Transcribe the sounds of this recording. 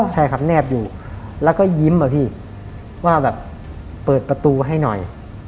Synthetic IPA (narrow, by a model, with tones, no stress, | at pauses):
t͡ɕʰa˧˩kʰa˨˩p̚nɛː˥˩p̚juː˨˩lɛː˦˥wkɔː˥˩ji˦˥mʔa˨˩pʰiː˥˩ | waː˥˩bɛː˨˩p̚ː | ɤː˨˩t̪̚pɾa˧t̪uː˧ɦa˥˩jnɔ˨˩j